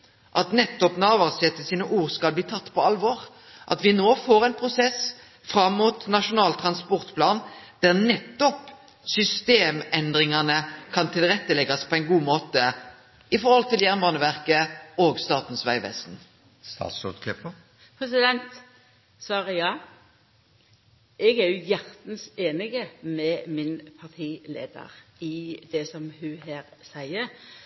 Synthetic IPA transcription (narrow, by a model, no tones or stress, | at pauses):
ʔɑt̪nɛt̪ːɔpnɑːʋɑʁsɛt̪ːəsiːnəʔuːʁskɑlbliːt̪ʰɑt̪ːpʰɔɑlʋɔːʁ | ʔɑ̰t̪ʋɪnoːfoːʁæɪnpʰʁʊsɛs | fɾɑmːuːt̪nɑʂʊnɑːlt̪ʰɾɑnspɔʁt̪pʰlɑːnd̪̥æʁnɛt̪ːɔp | sʏst̪eːmɛnd̪ʁɪŋɑnəkʰɑnt̪ʰɪlʁɛt̪ːəlɛɡɑspʰɔɛɪnɡuːmoːt̪ə | ɪfɔɾhɔlt̪ʰɪljæʁnʋɑːnəʋæʁkəoːɡst̪ɑːt̪n̩sʋæɪʋɛ̰st̪n̩ | st̪ɑ̰ːt̪sɔt̪kʰlɪpːə | pʰɾɛsɪd̪ɛnt̪ | sɑːɾəjɑː | ʔɛɡæɾjʊjæʁt̪n̩seːnɪɡəmɛmɪnpʰɑʁt̪ʰiːlḛːd̪ə̰ɾɪd̪ɛsɔmhʉheːɾsæɪəɾ